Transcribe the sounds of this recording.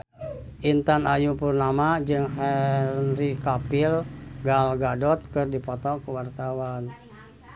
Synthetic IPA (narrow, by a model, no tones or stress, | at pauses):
ʔint̪anajupurnamad͡ʒɨŋɦɛnrikapilɡalɡadɔt̪̚kɨrdipɔt̪ɔkəwart̪awan